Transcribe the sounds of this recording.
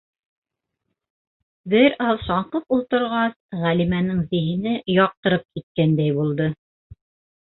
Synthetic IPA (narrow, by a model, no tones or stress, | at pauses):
bɘɾɑlˠʃɑɴqɤpulˠt̪ɤ̆ɾʁɑsʁælimænɘŋzĭɦɘ̆nɘjɑq̚t̪ɤ̆ɾɤp̚kit̪̚kænd̪æjbulˠd̪ɤ